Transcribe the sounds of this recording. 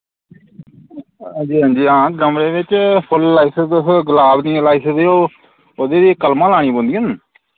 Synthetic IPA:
d͡ʒiːɦə̃ːnd͡ʒiːãːɡəmɾeːʋɪt͡ʃpʰʊlːaːɪsd̪ɡəlaːbnĩːlaːisd̪eːoː | od̪eːd̪iːkəlmãːlaːɽ̃iːbõnd̪iːɦən

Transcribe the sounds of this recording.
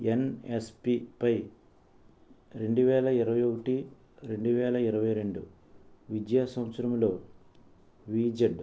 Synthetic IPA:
enespipɐj | ɾe̞ɳɖuʋɛːlɐiɾɐʋɐjokɐʈi | ɾe̞ɳɖuʋɛːlɐiɾɐʋɐjɾe̞ɳɖu | ʋidjaːsɐwɐsɾɐmlo̞ː | ʋiːd͡ʒɐɖ

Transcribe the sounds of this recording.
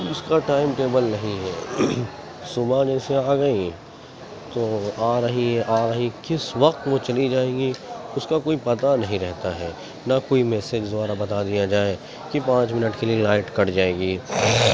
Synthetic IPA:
ʊskaʈaːɪmʈeːbəlnɐɦĩɦɛ | sʊbãd͡ʒɛːseaːɡɐĩ | t̪oːaːɾɐɦiɦɛʔaːɾɐɦikɪsʋɐqt̪ʋõt͡ʃɐlid͡ʒaːẽːɡiʊskakoːipɐt̪anɐɦĩɾɛɦt̪aɦɛ | nakoːimɛːsed͡ʒzʊʋaːɾabɐt̪ad̪ijad͡ʒaːe | kipãːt͡ʃmɪnəʈkelielaːɪʈkɐɽd͡ʒaːeːɡiː

